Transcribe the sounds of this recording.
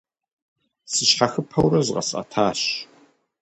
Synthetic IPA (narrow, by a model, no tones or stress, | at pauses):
sɨɕħaxɨpʰɐwrɐzqʼɐ̰sʼɐ̰tʰaːɕ